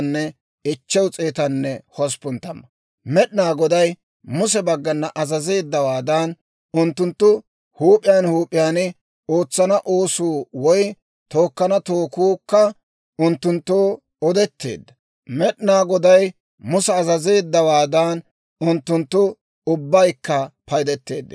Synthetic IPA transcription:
nːɛ | ɪt͡ʃːɛwt͡sʼe̞ːt̪ɐnːɛhɔs̬pʊnt̪ːɐmːɐ | mɛɗɪnaːɡɔd̪ɐj | mʊsɛbɐɡːɐnːɐʔɐzɐze̞ːd̪ːɐwaːd̪aːn | ʊnt̪ːʊnt̪ːʊ | huːpʼːɪjaːnhuːpʼːɪjaːnɪ | oːt͡sːɐnɐʔoːsuːwɔj | t̪o̞ːkːɐnɐt̪oːkuːkːɐ | ʔʊnt̪ːʊnt̪ːoː | ɔd̪ɛt̪ːe̞̰ːd̪ːɐ | mɛɗɪnaːɡɔd̪ɐj | mʊsɛɐzɐze̞ːd̪ːɐwaːd̪ɐːn | ʊnt̪ːʊnt̪ːʊ | ʊbːɐjkːɐpɐjd̪ɛt̪ːe̞̰ːd̪ːɪ

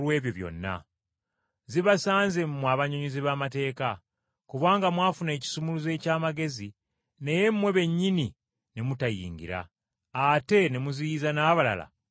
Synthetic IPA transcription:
lwe̞ːβjo̞βjo̞̰nːa̰ | ziβasaːnzemmwaβaɲoɲiziβaːmate̞ːka | kuβaːŋɡamwaːfune̞ːci̥sumuluze̞ːcaːmaɡe̞zi | ne̞je̞mːwe̞βe̞ɲːini | ne̞mutajḭːŋɡḭɾa̰ː | te̞ne̞muzijizanaːβala̰la̰

